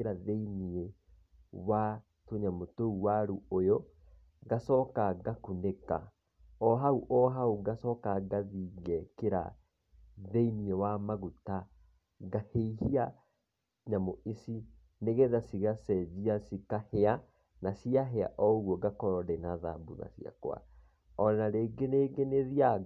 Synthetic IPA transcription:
eɾaðeinie | wa | toɲamotouwaɾuojo | ɡasɔːkaɡakuneka̰ | ɔɦauʔɔɦauɡasɔkaɡaðiɣɛkeɾa̰ | ðeiniewamaɣuta | ɡaheihia | ɲamoisi | neɣeðasiɣasɛd͡ʑiasikahea | nasiaɦea̰ʔɔɣwɔɡakɔɾɔdɛnaða̰buða̰sia̰kw̰a̰ | ɔnaɾeːɡeneːɡeneðia

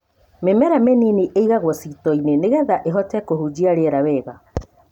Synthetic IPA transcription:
memɛɾameniniʔeiɣaɣwɔsitɔineneɣɛðaʔeɦɔtɛkohud͡ʑiaɾeɾawɛːɣa

